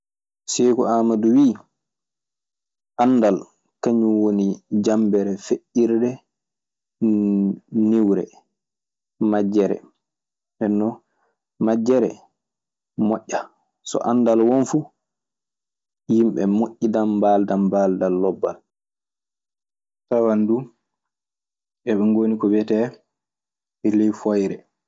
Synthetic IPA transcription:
sɛkɔaːmaduwiː | ʔanːdal | kaɲuwonid͡ʒambɛɾɛfeʔiɾdɛ | niwɾɛ̰ | mad͡ʒːɛɾɛ̰ | ɓɛnːɔ | mad͡ʒɛɾɛ̰ | mɔʔːa | sɔ̰ʔandalwonfu | jimɓɛmoʔːidambaːldambaːldalːɔbːa̰l | tawandu | ʔɛɓɛŋɡoːnikɔbɛtɛ | ɛlɛjfojɾɛ

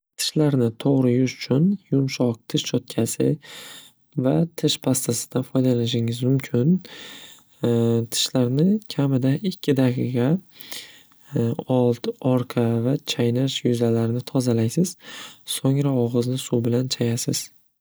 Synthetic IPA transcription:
t̪ʰɪ̥ʃlaɾnɪt̪ʰoʁɾɪjʊʃʊt͡ʃʰʊnjʊmʃɒq̚t̪ʰɪʃt͡ʃʰɒt̪̚kʲʰasɪ̰ | vat̪ʰɪʃpʰast̪ʰasɪ̥d̪anfɒjd̪alanɪʃɪŋɪzmʊmkʲʰɪn | t̪ʰɪ̥ʃlaɾnɪkʲʰamɪd̪aɪkʲʰːɪd̪aqʰɨqɑ | ɒlˠt̪ɒɾqʰɑvat͡ʃʰajnaʃjʊzalaɾɪnɪt̪ʰɒzalajsɪz̥soŋɾaɒʁɨznɪsubɪlant͡ʃʰajasɪz̥

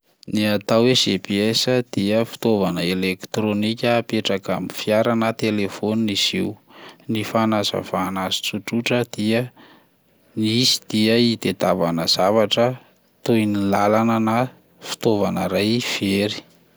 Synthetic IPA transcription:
niat̪awesepiesəd̪̥iəfi̥t̪ovanəelekt̪ɾonikʲəːpeʈ͡ʂakamifijaɾanət̪elefoniniz̥iunifanazə̰vaːnazi̥t͡suʈ͡ʂuʈ͡ʂəd̪̥iə | nisi̥d̪̥iəid̪ed̪avanəz̥avaʈ͡ʂə | t̪ujnilalanəna | fi̥t̪ovanəɾajv̥eɾi̥

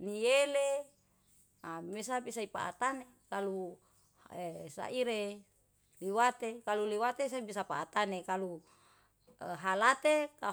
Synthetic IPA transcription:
niele | amesabisaipa̰ʔa̰t̪ane | kalu | esa̰ʔiɾe | liwat̪ekaluliwat̪es̬aibisapa̰ːt̪anekalu | ɦalat̪eka

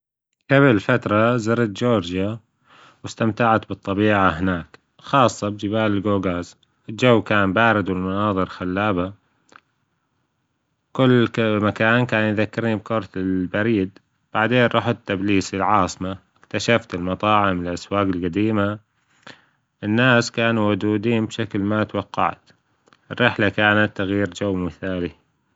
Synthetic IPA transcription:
ʔabɪlfat̪ɾˤɑzaɾˤat̪d͡ʒoːɾd͡ʒa | wɪst̪amt̪aʕat̪bɨt̪ˤːɑbiːʕaɦɪnaːk | xɑːsˤːɑbd͡ʒɪbaːlɪlɡoːɡaːz | ʔɪld͡ʒawːkaːnbaːɾɪd̪wɪlmʊnɑːðˤɨɾxalːaːba | kʊlːmakaːnkaːnjðakːɪɾnib̚kʊɾˤt̪ɪlbaɾiːd̪ | b̥aʕd̪eːnʔˤɑːħɪt̪ːabliːsilʕɑːsˤmaɪkt̪aʃaft̪ɪlmɑt̪ˤɑːʕɪmɪlʔaswaːɡɪlqad̪iːma | ʔɪnːaːskaːnuwʊd̪uːd̪iːnbʃaklmat̪wɑqːɑ̰ʕt̪ | ʔɪrːɪħlakaːnat̪ːaɣjiːɾd͡ʒawːmɪθaːli

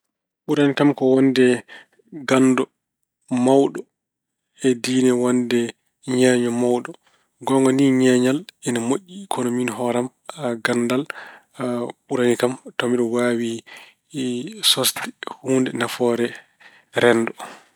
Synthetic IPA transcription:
ɓuɾanikamkɔwɔndɛ | ɡanːdɔ | mawɗɔ | ɛdiːnɛwɔndɛ | ɲɛɲɔmawɗɔ | ɡɔŋɡɔniɲɛɲalɛnamoʔʲːikʰɔnominɦɔɾam | aɡandal | ɓuɾanikamtomiɗɔwaːwi | sɔstɛ̥huːndɛnafɔɾɛ | ɾɛndɔ

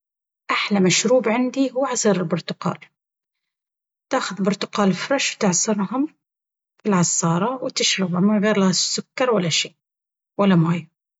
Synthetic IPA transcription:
ʔaħlamaʃɾuːbʕɪnd̪ihuːʕɑsˤiɾɪlbʊɾt̪ʊqɑ̰ːl | t̪aːxʊðbʊɾt̪ʊ̥qɑːlfɾˤɑʃwt̪ɪʕsɑɾˤɦʊm | filʕɑsˤːɑːɾˤɑwɪt̪ɪʃɾɪbhʊmɪnɣeːɾlahasːʊkːɑɾˤwalːaʃeː | walːamaːj

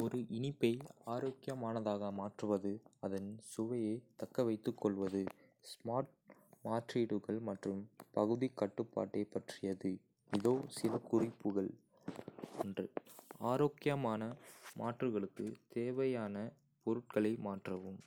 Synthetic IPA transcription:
ɔɾɯʔɪnɪpːɐɪaːɾoːkːɪjɐmaːnɐðaːɣɐmaːʈrɯʋɐðɯɐðɐnsʊʋɐjeːt̪ɐkːɐʋɐɪt̪ːɯkːɔɭʋɐðɯ | smaːɾʈ̚maːʈriːɽɯɣɐɭmɐʈrɯmpɐɣɯðikːɐʈːɯpːa̰ːʈːeɪpɐʈrɪjɐðɯ | ɪðoːsɪlɐkʊrɪpːɯɣɐɭ | ɛndrɯaːɾoːkɪjɐmaːnɐmaːʈrɯɣɐɭɯkːɯ̰t̪eːʋɐjaːnɐ | pɔɾɯʈ̚kɐɭɐɪmaːʈrɐʋɯm

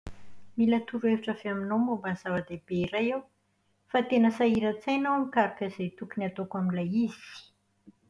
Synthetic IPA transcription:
milat̪uɾueviʈ͡ʂəfeaminomobanz̥avad̪eb̥eiɾajew | fat̪enəsaiɾat͡sajnawamikaɾakəzejt̪ukuniat̪okaminlajiz̥i̥

